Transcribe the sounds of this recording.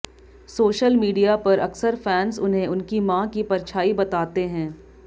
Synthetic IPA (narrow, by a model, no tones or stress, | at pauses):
soːʃəlmiːɖijapɐɾɐ̰ksəɾfɛːnsʊnɦẽʊnkimãkipɐɾt͡ʃʰaːibɐt̪aːt̪eɦɛ̃ː